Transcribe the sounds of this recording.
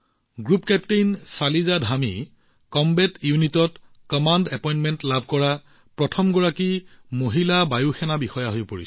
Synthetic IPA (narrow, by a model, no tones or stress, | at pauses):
ɡɹupkɛptejnsalizadʱami | kɔmbɛtjunitɔt | kɔmandɛpɔjntmɛntlabʱkɔɹa | pɹɔtʰɔmɡɔɹakimoɦilabajuxʰɛnabixɔjaɦojpoɹis